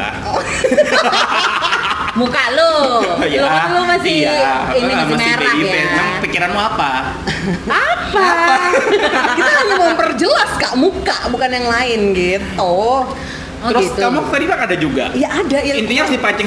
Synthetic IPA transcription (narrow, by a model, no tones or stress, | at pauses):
mukaʔlololomasɪinimamɪameɾaiɲɛmaŋpikiɾanmuapa | apaa | kit̪ahaɲamompərd͡ʒəlaskaʔmukaʔbukanjaŋlaɪnɡit̪ːʊh | ɔɾʊɡist̪ukamufadibakadad͡ʒuɡa̰ijaʔːdajaint̪iɲasipat͡ʃə